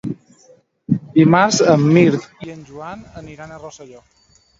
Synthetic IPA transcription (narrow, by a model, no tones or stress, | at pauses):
d̪imaɾzəmːiɾt̪iənʒuanəniɾanərosəʎɔ